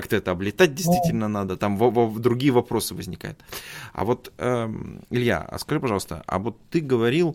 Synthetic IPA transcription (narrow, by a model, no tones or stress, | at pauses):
ak̚t̪əɛt̪əɐblʲɪt̪at̚ʲdʲɪst̪vʲitʲɪlʲnənad̪ət̪amvɐvɐd̪ɾʊɡʲijəvɐpɾo̞sɨvəzʲnʲɪka̰jʊt̪ɐ̰vo̞t̪əɪlʲja̰ə̰skɐʐɨpɐʐɑlˠəst̪ə̰a̰vo̞t̪ːɨɡəvɐɾʲilˠ